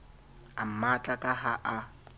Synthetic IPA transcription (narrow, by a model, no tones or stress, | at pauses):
am̩mat͡ɬʼakʼaɦaʔa